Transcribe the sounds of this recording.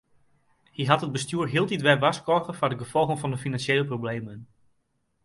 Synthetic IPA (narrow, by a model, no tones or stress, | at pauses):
hiɦɑtɦəd̚bəstyːɹɦiːlˠtitʋɛrʋɑskoχəfadəɡəvɔlˠχəŋvɑndəfinɑnʃejləprowblejmən